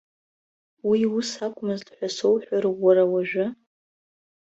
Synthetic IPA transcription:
wiusakʷʼmɨztʼħʷᶣasowħʷᶣarɨːaɾawaʒᶣʊ

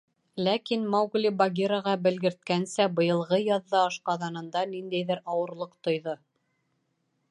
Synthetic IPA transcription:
lækinmɑwɡlʲibɑɡʲiɾaʁɑbɘ̆lɡɘ̆ɾt̪̚kænsæbɤ̆jɤ̆lˠʁɤjɑðːɑɑʃqɑðɑnɤ̆nd̪ɑnind̪æjðɘɾɑwɤ̆ɾlˠɤqt̪ŏjðo

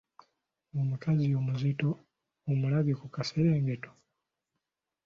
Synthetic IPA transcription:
ŋɡɔmukʰazijɔmuzitɔ | umulaβjɛkukasɛɾɛŋɡɛtɔ̥

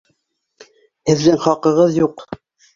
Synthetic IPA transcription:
hɘ̆ðːɘŋχɑqɤ̆ʁɤðjuq

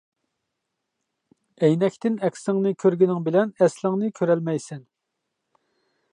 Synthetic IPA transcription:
ɛjnɛkʲt̪ɪnɛkʲsɪŋnɨkʲʰøɾɡʲinɪŋbɪlɛnɛslɪŋnɨkʲʰøɾɛlmɛjsɛn

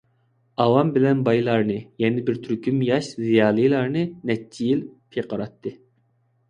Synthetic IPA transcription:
ɑwɑmbɪlɛnbɑjlˠɑɾnɨjɛnɪbɪɾt̪ʰyɾkʲymjɑʃzijɑːlˠɨjlˠɑɾnɨnɛt͡ʃʰːijilpʰeqɑɾɑt̪ːɨ

